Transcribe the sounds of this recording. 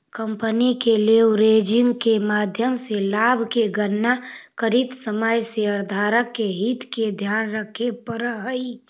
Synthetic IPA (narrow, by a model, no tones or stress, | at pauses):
kəmpənikeleɾeːd͡ʒɪ̃ŋɡkemaːd̪ʱjəmselaːbʱkeɡənːakəɾit̪səməjseəɾd̪ʱaːɾəkːeɦit̪ked̪ʱjaːnɾəkʰːepəɾəɦəi